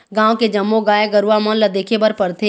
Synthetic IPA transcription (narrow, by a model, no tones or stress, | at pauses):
ɡãːõked͡ʒɐmːõɡaːeɡəɾuamə̃nləd̪eːkʰebəɾpəɾt̪ʰeː